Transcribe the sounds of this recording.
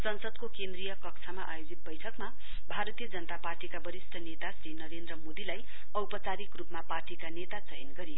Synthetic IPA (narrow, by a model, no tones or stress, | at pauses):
sʌnsʌd̪kokend̪rijʌkʌkt͡sʰamaʔajod͡zit̪̚bʌjʈʰʌkma | bʱaɾʌt̪ijʌd͡zʌnʌt̪aparʈikabʌɾisʈʰʌnet̪asɾinʌɾend̪rʌmod̪ilaj | ʌwpʌt͡saɾikrupmaparʈikanet̪at͡sʌɦinɡʌɾijo